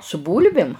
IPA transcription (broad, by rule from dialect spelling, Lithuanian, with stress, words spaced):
sʊ ˈbuːlʲbʲɪm